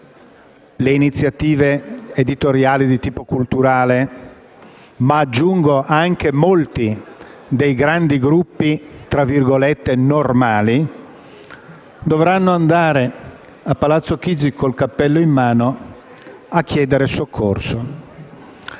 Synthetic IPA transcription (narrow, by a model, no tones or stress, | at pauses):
leinit̪sːjat̪iːveːd̪it̪oɾjaːlid̪it̪iːpokult̪uɾaːle | maːd͡ʒːuŋɡoʔaŋk̟emolt̪i | d̪ejɡɾand̪iɡɾupːit̪ɾavirɡolet̪ːenormaːli | d̪ovɾanːoand̪aːɾe | apːalat̪sːokid͡ʒikʰolkapːɛlːoimːaːno | akːjɛːd̪eɾesokʰːorso